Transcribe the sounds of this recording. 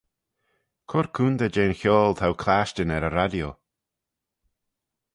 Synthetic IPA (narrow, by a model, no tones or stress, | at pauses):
kʰʊɾkʰuːnd̪əd͡ʒeːnxjɔːlˠt̪ʰawkʰlaʃt͡ʃənɛɾəɾadjo